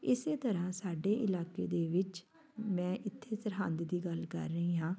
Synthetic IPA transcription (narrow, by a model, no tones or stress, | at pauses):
ɪseːt̪əɾãːsaːɖeːʔɪlaːkḛːd̪eːʋɪt͡ʃ | mɛ̃ːʔɪt̪ʰːeːsəɾɦaːnd̪d̪iːɡəlkə̰ɾːəiːɦãː